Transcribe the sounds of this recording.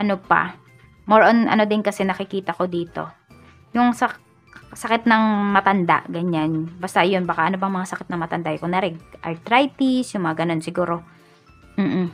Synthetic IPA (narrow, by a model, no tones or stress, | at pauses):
ʔɐnopɐ̰ | moɹʔonʔɐ̰no̞d̪ɪnkɐsɛnɐkɪkiːt̪ɐko̞d̪iːt̪o̞̰ | jʊŋsɐ | sɐkɪt̪̚nɐŋmɐt̪ɐnd̪a̰ʔɡɐɲanbast̪aʔjonbaːkaʔɐnobɐŋmɐŋasɐkɪt̪nɐŋmɐt̪ɐnd̪aʔjokʊŋd̪aːɾɛʔɐ̰lt̪ɾajt̪isjʊŋmɐŋaɡɐno̞nsɪɡuːɾo̞ | m̩ːʔ̩